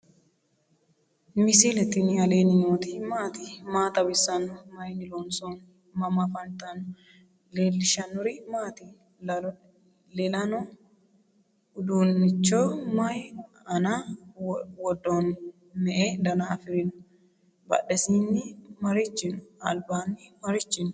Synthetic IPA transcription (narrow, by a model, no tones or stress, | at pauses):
mɪsilɛt̪ːɪnɪɐleːnɪɲoːt̪imaːt̪imaːt̪ɐbɪsɐnʊmɐjnɪloːnson | mɐmafɐnt̪ɐnʊ | leːlːɪʃɐnːʊɾɪmaːt̪i | lɛlɐno | ʊd̪uːnːɪt͡ʃːoːmɐj | ɐna | wɔd̪ːoːn | mɛʔeːd̪ɐnafɪɾɪnʊ | bɐ̰ᶑɛsiːnːɪmɐɾɪt͡ʃːɪnʊ̥ɐ̰lbaːnːɪmɐɾɪt͡ʃːɪnʊ